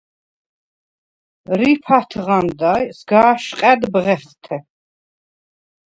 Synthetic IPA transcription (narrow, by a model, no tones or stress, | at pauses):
ɾipʰat̪ʰʁand̪ajsɡaːʃqʼɛd̪bʁɛχt̪ʰɛ